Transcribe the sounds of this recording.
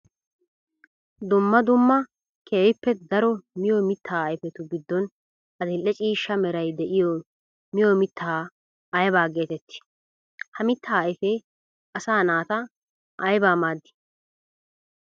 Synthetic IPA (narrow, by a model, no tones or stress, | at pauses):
d̪ʊmːɐd̪ʊmːɐ | kʰeːjɪpːɛd̪ɐɾɔmɪjɔmɪt̪ʰːaːɐjɪfɛt̪ʊɡɪd̪ːɔn | ʔɐd̪ɪlːɛt͡ʃʼiːʃːɐmɛɾɐjd̪ɛʔɪjɔ | mɪjomɪt̪ːɐa | ʔːjbaːɡe̞ːt̪ɛt̪ːɪ̥ | hɐmɪt̪ːaːjfe | ʔɐsaːnaːt̪ɐ | ʔɐjbaːmaːd̪ːɪ̥